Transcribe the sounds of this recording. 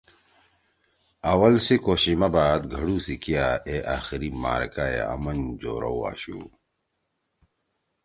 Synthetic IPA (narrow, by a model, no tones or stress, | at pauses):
ɐwɐlsikoːɕimɐbaːd̪ɡʱɐɽusikijaeʔaːxiɾima̰ːɾkajḛɐ̰mɐnd͡ʑoːɾowa̰ːɕṵ